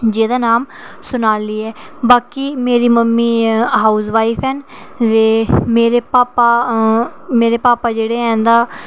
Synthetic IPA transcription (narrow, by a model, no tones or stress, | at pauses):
d͡ʒẽːd̪aːnaːm | sʊnaːliːɛːbaːkiːmeːɾiːməmːiːɦaːusʋaːifʰɛːnt̪eːmeːɾeːpaːpaː | meːɾeːpaːpaːd͡ʒeːɽeːɛ̃ːnd̪aː